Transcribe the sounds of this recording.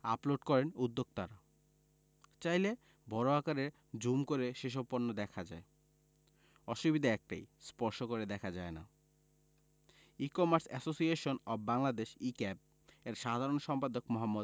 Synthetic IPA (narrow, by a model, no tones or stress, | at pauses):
aploɖkɔɾenud̪ːoɡ̚t̪aɾa | t͡ɕajle | bʱɔɾoɦakaɾeɾ | d͡ʑumkoɾeʃeʃ̬opːoɾnːod̪ɛkʰad͡ʑa̰e | ɔʃubid̪ʱaɛk̚ʈa̰jspɔɾʃokoɾed̪ɛkʰad͡ʑaena̰ | ikɔmaɾsɛsosieʃonɔbbːaŋlad̪eʃikɛp̚ | eɾʃad̪ʱaɾonʃɔmpad̪okmoɦamːod̪